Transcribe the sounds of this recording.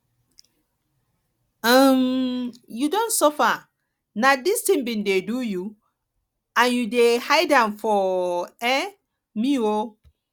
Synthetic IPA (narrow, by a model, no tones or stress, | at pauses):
am | judõntsɔfa | nadistĩmbĩndeduju | ãnjudehajdãmfɔɛ | mio